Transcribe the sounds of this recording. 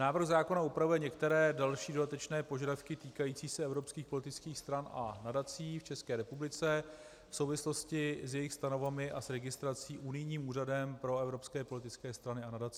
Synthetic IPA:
naːvr̩ɣzaːko̞naupɾavujɛɲɛkt̪ɛɾɛːdalʃiːdo̞dat̪ɛt͡ʃnɛːpo̞ʒadafkɪt̪iːkajiːt͡siːsɛɛvɾo̞pskiːxpo̞lɪt̪ɪt͡skiːxst̪ɾanʔa̰nadat͡siːft͡ʃɛskɛːɾɛpublɪt͡sɛ | fsowvɪsloscɪsjɛjɪxst̪ano̞vamɪʔasɾɛɡɪst̪ɾat͡siːʔunɪjɲiːmuːradɛmpɾo̞ɛvɾo̞pskɛːpo̞lɪt̪ɪt͡skɛːst̪ɾanɪanadat͡si

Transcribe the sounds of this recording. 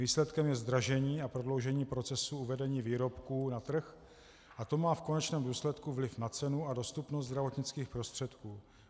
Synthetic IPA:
iːslɛt̪kɛmjɛzd̪ɾaʒɛɲiːapɾo̞dlo̞wʒɛɲiːpɾo̞t͡sɛsuuvɛdɛɲiːviːɾo̞pkuːnat̪r̩x | ʔat̪o̞maːfko̞nɛt͡ʃnɛːmduːslɛt̪kuvlɪfnat͡sɛnuʔado̞st̪upnost̪zd̪ɾavo̞t̪ɲɪt͡skiːxpɾo̞st̪r̥ɛt̪kuː

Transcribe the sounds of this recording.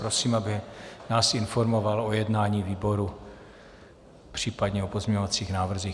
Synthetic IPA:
pɾosiːmabɪnaːsɪnfo̞ɾmo̞valojɛdnaːɲiːviːbo̞ɾu | pr̥iːpadɲɛopozmɲɛɲovat͡siːxnaːvr̩zix

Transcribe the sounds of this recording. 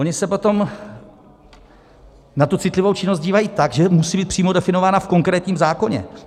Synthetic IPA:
oɲɪsɛpo̞t̪o̞m | nat̪ut͡sɪt̪lɪvo̞wt͡ʃɪnos̬t̪ɟiːvajiːt̪aɡʒɛmusiːbiːt̪pr̥iːmodɛfɪno̞vaːnafko̞ŋkɾɛːt̪ɲiːmzaːko̞ɲɛ̰

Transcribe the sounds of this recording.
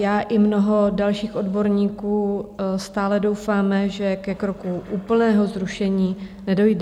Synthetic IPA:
jaːʔɪmno̞ɦo̞dalʃiːxʔo̞dbo̞ɾɲiːkuːst̪aːlɛdo̞wfaːmɛʒɛkɛkɾo̞kuʔuːpl̩nɛːɦo̞zɾuʃɛɲiːnɛdo̞jd

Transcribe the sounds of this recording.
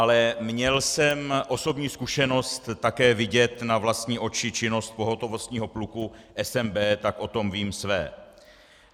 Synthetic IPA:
ʔalɛmɲɛlsɛmʔo̞so̞bɲiːskuʃɛno̞st̪ːakɛːvɪɟɛt̪navlast̪ɲiːʔo̞t͡ʃɪt͡ʃɪno̞st̪̚po̞ɦo̞t̪o̞vo̞st̪ɲiːɦo̞plukuʔɛsɛmbɛːt̪akʔo̞t̪o̞mviːmsvɛ̰ː

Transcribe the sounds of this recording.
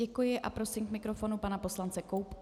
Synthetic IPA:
ɛkujɪʔa̰pɾo̞sɪmkmɪkɾo̞fo̞nupanapo̞slant͡sɛko̞wp

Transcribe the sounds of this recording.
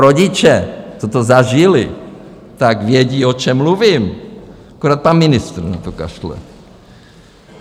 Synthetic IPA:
ɾoɟɪt͡ʃɛt̪ot̪ozaʒɪlɪ̰ | t̪akɡvjɛɟiːo̞t͡ʃɛmːluvim | akoɾaːt̪̚panmɪnɪst̪r̩na̰t̪oka̰ʃlɛ̰

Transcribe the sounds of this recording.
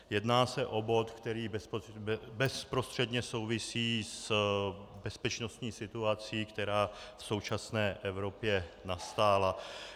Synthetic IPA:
jɛdnaːsɛʔo̞bo̞t̪kt̪ɛɾiːbɛ | bɛspɾo̞st̪r̥ɛd̪ɲɛso̞wvɪsiːs | bɛspɛt͡ʃno̞st̪ɲiːsɪt̪uat͡siːkt̪ɛɾaːfso̞wt͡ʃasnɛːʔɛvɾo̞pjɛnast̪aːla

